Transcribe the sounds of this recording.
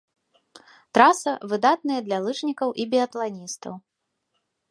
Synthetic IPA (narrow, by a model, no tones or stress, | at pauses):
t̪ɾasɐvɨd̪at̪̚nɨjɐd̪lʲɐlˠɨt͡ʂnʲikɐwʔibʲiɐt̪lˠanʲist̪ɐ̰w